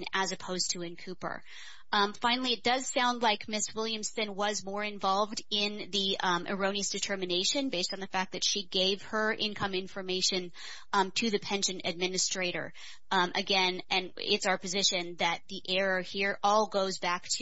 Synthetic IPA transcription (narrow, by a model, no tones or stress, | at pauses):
nɨzɨpʰoʊz̥tʰɨɨ̃nkʰʉpə̰˞ | fãɪ̃nl̩ˠiɨt̚d̥ʌz̥sãʊ̃ndˡlaɪkmɪswɪlˠjɨ̃mstɨ̃nwʌzmɔɹɨ̃ɱvɑlˠvdɪ̃nðiʔɨ̰˞õʊ̃niɨsd̥ɨtʰɜ˞mɨneɪʃɨ̃nbeɪstn̩ðɨfæk̚ðɨtʃiɡeɪv̥ə˞ʔɪ̃nkʰʌ̃mɪ̃ɱfə˞meɪʃɨ̃n | tʰɨðɨpʰɛ̃nʃɨ̃nɨ̰d̚mɪ̃nɨstɹ̥eɪɾə̰˞ | ʔɨ̰ɡɛ̃nʔɨ̃nɪ̰tsaʊə˞pʰɨzɪʃɨ̃nðɨt̪̚ðiʔɛɹəhiɹʔɔlˠɡoʊzbæk̚tʰ